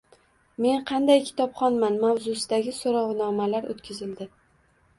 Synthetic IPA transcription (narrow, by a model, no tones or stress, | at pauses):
me̞nqʰɑnd̪ajkʲʰɪ̥t̪ʰɒpχɒnmanmawzʊsɪd̪aɡʲɪsoɾɒwnɒmalaɾo̰t̪kʲʰɪzɪld̪ɪ